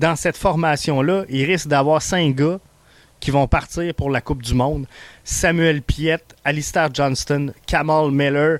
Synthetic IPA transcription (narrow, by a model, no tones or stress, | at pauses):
d̪ɑ̃sɛt̪fɔʁmasjɔ̃lʌʔilʁɪsk̚d̪avwɑːʁsɛ̃kɡʌ | kʲʰivɔ̃paʁt̪iːʁpʊʁlakʊp̚d̪ymɔ̃d̪samyɛlpjɛt̪alist̪aʁʒɑnst̪ɔnkʲʰamalmɛlə